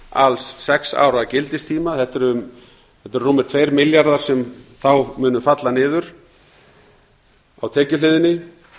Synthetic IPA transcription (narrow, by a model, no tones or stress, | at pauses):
alsːɛksa̰ːwɾacɪlt̪ɪst̪ʰiːmaθɛt̪ːɛɾʏm | θɛt̪ːɛɾruːmɪ̥ɾ̥t̪ʰvejɾmɪljaɾðaɾ̥sɛmθawmʏːnʏfat̪lanɪːðʏɾ̥ | awt̪ʰɛːcʏlɪːðɪnɪ